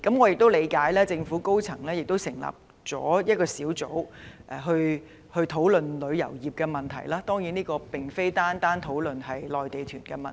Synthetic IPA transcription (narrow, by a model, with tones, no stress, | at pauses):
kɐ˨˥mŋɔː˨˧jɪ˨k̚t̪o˥wle˨˧jkaː˨˥jlɛː˥t͡sɪ˧ŋfu˨˥ko˥wt͡sʰɐ˨˩ŋlɛː˥jɪ˨k̚t̪o˥wsɪ˨˩ŋla̰ː˨p̚ | t͡sɔ̰ː˨˥jɐ˥t̚kɔː˧siː˨˥wt͡so̰˨˥wʔɛː˨˩ɦɵ˧ɥ | hɵ˧ɥt̪ʰo˨˥wlɵ˨nlɵ˨˧ɥjɐ̰˨˩wjiː˨˩p̚kɛː˧mɐ˨nt̪ʰɐ˨˩jlaː˥t̪ɔː˥ŋjiː˨˥niː˥kɔː˧pɪ˨ŋfe˥jt̪aː˥nt̪aː˥nt̪ʰo˨˥wlɵ˨nɦɐ˨jlɔː˨jt̪e˨jt̪ʰyː˨˩nkɛ˧mɐ˨